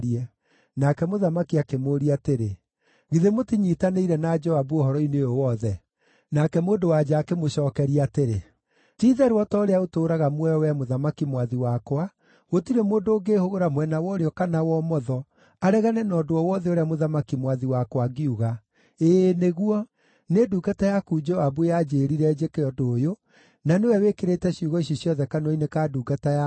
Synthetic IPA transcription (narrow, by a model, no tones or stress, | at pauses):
ɾiɛ | nakɛmoðamakiakemoːɾiateɾe | ɣiðemotiɲiːtaneiɾɛnad͡ʒɔabuɔɦɔɾɔinejowɔðɛ | nakɛmoːndowad͡ʒaːkemoɕɔːkɛɾiateɾe | tiːðɛɾwɔtɔɾeaotoːɾaɣamwɛɔwɛmoðamakimwaðiwakwa | ɣotiɾemoːndoːɡeːhoɣoɾamwɛnawɔɾeɔkanawɔmɔðɔ | aɾɛɣanɛnɔːdowɔwɔðɛoɾeamoðamakimwaðiwakwaɡiuɣa | eːneɣwɔ | neduːɡatajakuːd͡ʒɔwabujad͡ʑeːɾiɾɛd͡ʑekeɔdoːjo | nanewɛwekeɾetɛɕiuɣɔiɕɔsjɔðɛkanɔinekaduːɡataja